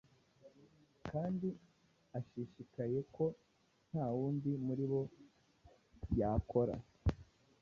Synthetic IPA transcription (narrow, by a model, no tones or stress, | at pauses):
kaːndi | aʃiʃikaje̞ko̞ | n̥haːwuːndimuɾiβo̞ | jaːkʰo̞ɾa̰